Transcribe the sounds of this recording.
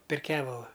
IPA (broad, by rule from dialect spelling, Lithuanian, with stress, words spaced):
pʲɛr ˈkʲæːʋɐlˠʊ